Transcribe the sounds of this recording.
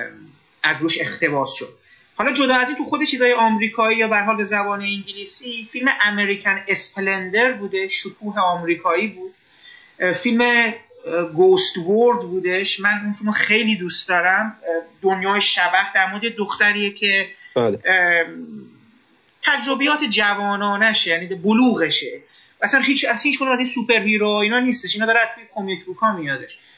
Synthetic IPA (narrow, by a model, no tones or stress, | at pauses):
æzɾuːʃe̞xt̪e̞bɒːsʃo̞d̪̥̚ | hɒːlɒːd͡ʒo̞d̪ɒːæzint̪ʰuxo̞d̪et͡ʃʰiːzɒːjeʔɒːmɾiːkʰɒːiːjɒːbææɾɦɒːlbe̞zæbɒːneiŋɟiliːsifilme̞ʔæmeɾicʰænespʰelend̪e̞ɾbuːd̪eʃokʰuːɦe̞ɒːmɾiːkʰɒːiːbuːd̪̥ | filme̞ | ɡost̪voɾd̪buːd̪eʃmænunfilmoxejliːd̪uːst̪d̪ɒːɾæmd̪onjɒːjeʃæbæhd̪æɾmod̪ed̪oxt̪æɾiːjecʰe̞l | t̪ʰæd͡ʒɾo̞bejɒːt̪ʰed͡ʒævɒːnɒːnæʃjæniːboluːɣe̞ʃe | æsænhiːt͡ʃæshiːt͡ʃkunumæsinsupʰe̞ɾɦiːɾoiːnɒːniːst̪eʃiːnɒːd̪ɒːɾæt̪ʰujekʰomikbukʰɒːmijɒːd̪e̞ʃ